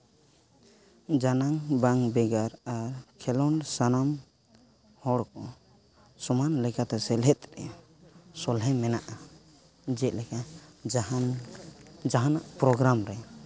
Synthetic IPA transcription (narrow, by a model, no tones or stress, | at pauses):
d͡ʒanaŋbaŋbɛɡaɾaɾkʰɛlɔnsanam | hɔɽkɔ | sɔmanlɛkat̪ɛsɛlɦɛt̪̚ɾɛ | sɔlɦɛmɛnaʔa | d͡ʒɛt̪̚lɛka | d͡ʒaɦanaʔpɾɔɡɾamɾɛ